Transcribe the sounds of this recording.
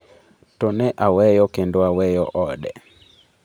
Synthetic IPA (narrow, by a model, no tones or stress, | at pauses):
tonɛʔawɛjɔkendoawɛjɔʔɔdɛ